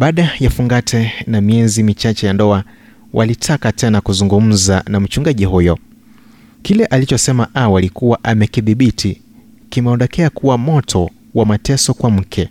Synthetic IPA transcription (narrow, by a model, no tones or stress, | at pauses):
ɓaːɗajafuŋɡatʰɛnamiɛzimit͡ʃat͡ʃɛjandɔa | wʔa̰litʰakatɛnakuzuŋɡum̩zanam̩t͡ʃuŋɡaʄiɦujɔ | kilɛʔalit͡ʃɔsɛmaʔawalikuwaʔamɛkiðiɓitʰi | kimɛɔndɔkʰɛakʰuwamɔtʰɔ | wamatɛsɔkwam̩kʰɛ